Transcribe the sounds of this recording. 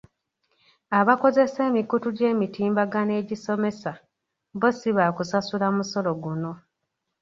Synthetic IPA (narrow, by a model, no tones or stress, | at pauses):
aβako̞ze̞se̞ːmikutuɟe̞ːmitiːmbaɡane̞ɟiso̞me̞sa | βosiβakusasulamuso̞lo̞ɡuno̞